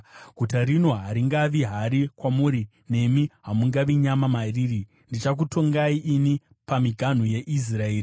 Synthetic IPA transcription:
ɡʱutaɾino̞ɦaɾiŋɡaʋiɦaɾikwamuːɾi | ne̞miɦamuŋɡaʋiɲamamariːɾi | ndit͡ʃak̬utʰo̞ŋɡaiʔini | pamiɡʱan̤uje̞ʔis̬raeːri

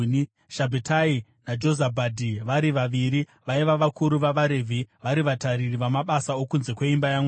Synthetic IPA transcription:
ni | ʃabʱetainad͡ʒo̞zabʱadʱiʋaɾiʋaʋiɾi | ʋaiʋaʋakʰuɾuʋaʋaɾevʱiʋaɾiʋataɾiriʋamaɓasao̞kunze̞kwe̞imbajaŋwe

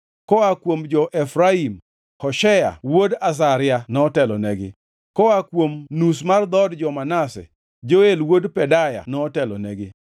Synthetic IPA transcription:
kɔakwomd͡ʒɔʔɛfɾaim | hɔʃɛja̰wodas̬aɾɪanɔtɛlɔnɛɡɪ̰ | kɔakwomnus̬mard̪ɔdd͡ʒɔmanasɛ̰ | d͡ʒoelwodpɛdaja̰nɔtɛlɔ̰nɛɡɪ

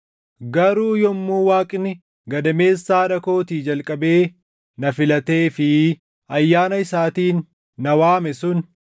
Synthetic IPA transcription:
ɡɐɾuːjɔmːuːwaːkʼɪnɪ | ɡɐd̪ɐme̞ːsːaːᶑɐko̞ːt̪iːd͡ʒɐlkʼɐbe̞ː | nɐfɪlɐt̪e̞ːfɪ | ɐjːaːnɐɪsaːt̪iːnː | ɐwaːmɛsʊn

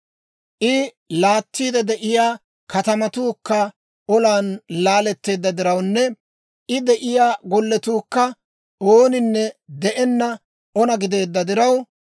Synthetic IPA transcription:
ʔɪ | laːt̪ːiːd̪ɛd̪ɛʔɪjaː | kɐt̪ɐmɐt̪uːkːɐ | ɔlaːnlaːlɛt̪ːe̞ːd̪ːɐd̪ɪɾɐwnːɛ | ʔɪd̪ɛʔɪjaːɡɔlːɛt̪uːkːɐ | ʔoːnɪnːɛd̪ɛʔɛnːɐ | ɔnɐɡɪd̪e̞ːd̪ːɐd̪ɪɾɐw

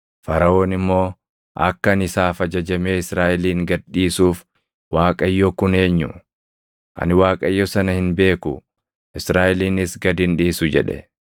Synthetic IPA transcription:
fɐɾɐo̞ːnɪmːo̞ː | ʔɐ̰kːɐɐnɪsaːfɐd͡ʒɐd͡ʒɐmeːɪsɾaːʔɪliːŋɡɐdːiːsuːf | waːkʼɐjːɔkʊne̞ːɲːʊ̰ | ʔɐ̰nɪwaːkʼɐjːɔsɐnɐhɪnbe̞ːkʊ̰ | ʔɪsɾaːʔɪliːnɪsɡɐd̪ɪnᶑiːsʊd͡ʒɛ̰ᶑɛ̰

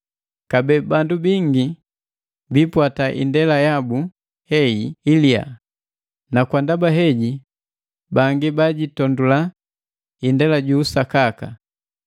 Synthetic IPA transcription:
kabɛbandubiŋɡi | bipwataʔḭndɛlajabu | hɛiilia̰ | nakwandabaɦɛɟi | baŋɡibaɟitɔndula | indɛlaɟuːsakaka̰

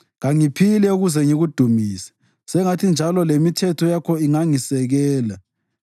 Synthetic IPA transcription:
ɣaŋipʰilɛuɣuzɛŋiɣud̥ʱumiːsɛ̥ | sɛŋatʰind͡ʒʱalɔlemitʰɛtʰɔjakʰɔiŋaŋisɛɣɛːla

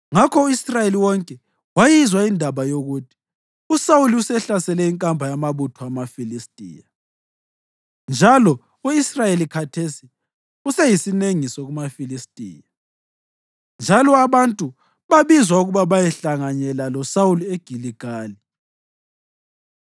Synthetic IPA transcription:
ŋakʰɔuisrajeliwɔŋkʼɛ | wajizwaindʱaβajoɣutʰi̥ | usawuliusɛɬasɛlɛiŋkʼambʱajamaβutʰɔamafilistʼḭːja | nd͡ʒʱalɔ | uisrajelikʰatʰesi | usɛjisineŋisɔɣumafilistʼḭːja | nd͡ʒʱalɔaβantʼu | βaβizwauɣuβaβajɛɬaŋaɲɛlalɔsawulieɡ̥ʱiliɡ̥ʱaːli

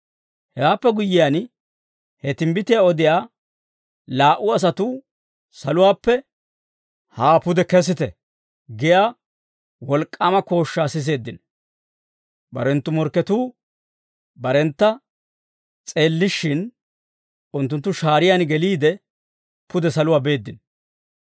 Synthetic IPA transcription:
hɛwaːpːɛɡʊjːɪjaːn | hɛt̪ɪmbɪt̪ɪjaːɔd̪ɪjaː | laːʔʊɐs̬ɐt̪uː | sɐlʊwaːpːɛ | haːpʊd̪ɛkɛs̬ɪt̪ɛ̰ | ɡɪjaː | wɔlkʼːaːmɐko̞ːʃːaːsɪs̬e̞ːd̪ːɪn | bɐ̰ɾɛnt̪ːʊmɔɾkːɛt̪uː | bɐɾɛnt̪ːɐ | t͡sʼe̞ːlːɪʃːɪn | ʊnt̪ːʊnt̪ːʊʃaːɾɪjanɡɛliːd̪ɛ | pʊd̪ɛsɐlʊwaːbe̞ːd̪ːɪn

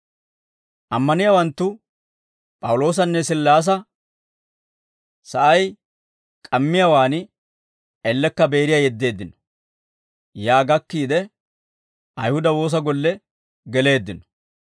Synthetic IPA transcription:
ʔɐmːɐnɪjaːwɐnt̪ːʊ | pʼɐwʊlo̞ːs̬ɐnːɛsɪlːaːs̬ɐ | sɐʔɐj | kʼɐmːɪjawaːn | ɛlːɛkːɐbe̞ːɾɪjaːjɛd̪ːe̞ːd̪ːɪnɔ̥ | jaːɡɐkːiːd̪ɛ | ɐjhʊd̪ɐwo̞ːs̬ɐɡɔlːɛ | ɡɛle̞ːd̪ːɪnɔ̥

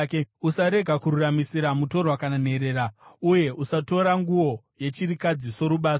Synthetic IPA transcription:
keusaɾe̞ɡʱakuɾuramisiɾamuto̞rwakanane̞ɾe̞ːɾauje̞ʔusato̞ɾaŋɡuwo̞ | je̞t͡ʃiɾikad͡ziso̞ɾuɓaːto

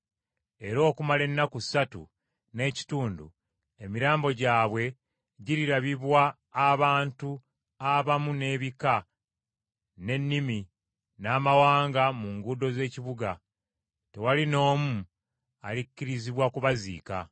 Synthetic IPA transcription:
e̞ɾo̞ːkumale̞nːakusatṵ | ne̞ːci̥tuːndṵ | e̞miɾaːmbo̞ɟaːβwe̞ | ɟiɾiɾaβiβwaː | βaːntu | aβamune̞ːβika | ne̞nːimi | naːmawaːŋɡamuŋɡuːdo̞ze̞ːciβuɡa | te̞walino̞ːmu | alikːiɾiziβwakuβazḭːka̰

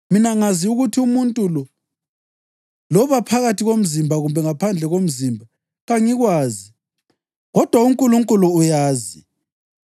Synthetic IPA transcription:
minaŋaziuɣutʰiumuntʼulɔ | lɔβapʰaɣatʰiɣom̩zimbʱaɣumbʱɛŋapʰand͡ɮʱɛɣom̩ziːmbʱa | ɣaŋiɣwaːzi | ɣɔd̥ʱwauŋkʼuluŋkʼuluːjaːzi

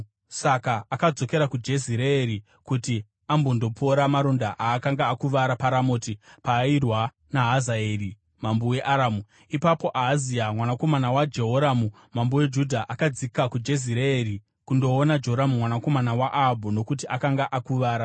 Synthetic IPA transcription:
sakaːkad͡zo̞ke̞ɾakud͡ʒe̞ziɾeːɾi | kuti | ambondo̞pʰo̞ɾamaɾondaʔaːkaŋɡaːkuʋaɾapaɾamoːtipaːirwa | naɦazaeːri | mambuwe̞ʔaɾaːmu | ipapo̞ʔaɦːziamwanako̞manawad͡ʒe̞ɦoɾamu | mambuwe̞d͡ʒudʱaʔakad͡zikakud͡ʒe̞ziɾeeɾi | kundo̞ːnad͡ʒeɦoɾamumwanako̞manawaʔabʱuno̞kut̬iʔakaŋɡaʔakuʋaːɾa

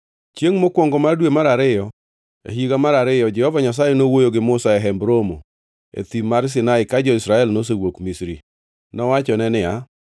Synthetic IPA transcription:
t͡ʃjeŋmokwɔŋɡɔmardwemaɾaɾɪjɔ | ḛɦiɡamaɾaɾɪjɔd͡ʒɛhɔvaɲas̬ajɛnowojoɡɪmʊsaɛɦɛmbɾomo̰ | ḛt̪imaɾs̬ɪnaɪkad͡ʒɔisɾaɛlnos̬ewokmisɾḭ | nɔwat͡ʃɔnɛnɪa

